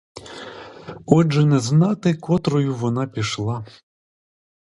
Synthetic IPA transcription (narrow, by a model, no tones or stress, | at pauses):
ɔʒɛnɛznɑt̪ɪkɔt̪ɾɔjʊʋɔnɑpʲiʃlˠɑ